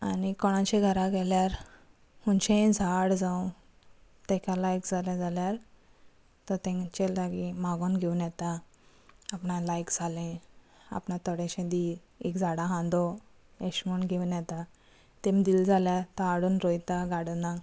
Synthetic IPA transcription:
anikɔɽ̃ãt͡ɕeɡʱəɾaɡɛljaɾ | hunt͡ɕẽd͡zʱaɽd͡zawũ | t̪ɛ̃kalajkd͡zʱaljad͡zʱaljaɾ | t̪ɔɾt̪ɛ̃ŋt͡ɕeld̪aɡimaɡonɡʱewunjɛt̪aː | pɳãlajkd͡zʱalẽ | a̰pɳãt̪ɔɽẽɕẽd̪i | ekd͡zʱaɽãɦãnd̪ɔ | eɕmunɡʱeunjɛt̪a | t̪ẽmd̪iːld͡zʱaljaɾt̪aaɽuːnɾojt̪aɡaɽuna

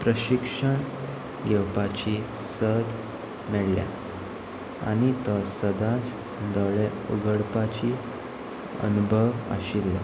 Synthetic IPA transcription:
pɾəɕikʂəɳ | ɡɛwpat͡ɕi | səd̪ | mɛɭlja̰ | a̰ñit̪əsəd̪at͡s | d̪ɔɭe | ṵɡəɽpat͡ɕi | ə̰nubʱəʋə̰ɕilːə̰

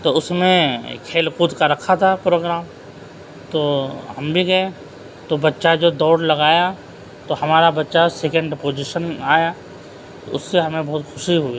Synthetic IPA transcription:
t̪oʊsmẽkʰeːlkuːd̪kaɾɐkʰat̪ʰapɾoːɡɾaːm | t̪oːɦɐmbʱiɡɐẽ | t̪obɐtːʃad͡ʒoːd̪ɔːɽlɐɡaːja | t̪ohɐmaːɾabɐtːʃaseːkə̃ɳɖpoːd͡ʒiʃənaːja | t̪o̰ʊsːeɦɐmẽbɔɦːt̪xʰʊʃiɦoːi

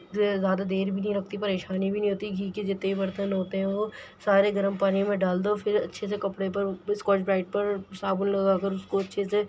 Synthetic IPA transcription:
zjaːd̪ad̪eːɾbʱinɐɦĩɾɐkʰt̪ipɐɾeːʃaːnibʱinɐ̃ɦĩɦoːt̪iɡʱiːkid͡ʒɪt̪ːeibɐɾt̪ənɦoːt̪eɦɛ̃ʋosaːɾeɡɐɾəmpaːnĩmẽɖaːld̪ofʰɪɾɐ̰tːʃʰes̬ekɐpɽep̬ɐɾɪskɔːt͡ʃbɾaːɪʈ̚pɐɾsaːbənlɐɡakəɾʊskoɐtːʃʰese

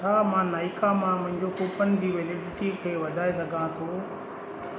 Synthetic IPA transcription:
aːmãnaːikamãmʊ̃ɦɪ̃ɲd͡ʑokʊpənɪ̆d͡ʑiːʋɪlɪɖɪʈikʰeːʋɐd̪ʱaːesɐɡʱãt̪ʰo

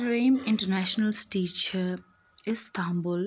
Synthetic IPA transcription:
ɾẽːmɪ̃ɳʈəɾnæʃnəlsʈiːt͡ʃəɾ | ɪzst̪ʰãːmbʊl

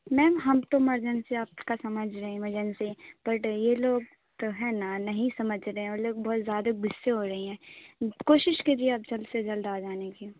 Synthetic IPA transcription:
mɛ̃ːmɦɐmt̪õmɐɾd͡ʒənseaːpkasɐməd͡ʒʱɾɐɦĩmɐd͡ʒənseb̥ɐʈjeloːɡ̚ | t̪oɦɛːnanɐɦĩsɐməd͡ʒɾɐɦẽɔːɾloːɡ̚bɔːt̪zjaːd̪abɪsːeɦoːɾɐɦeɦɛ̃ːkoːʃɪʃked͡ʒieaːp̚d͡ʒɐlsed͡ʒɐld̪aːd͡ʒaːneki

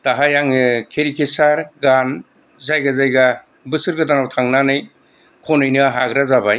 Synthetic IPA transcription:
taɦajaŋkʰeɾikʰesaɾɡan | zajɡazajɡa | bɯsɯɾɡɯdanawtʰaŋnanɯj | kʰɔnɯjnɯaɦaɡɾazabaj

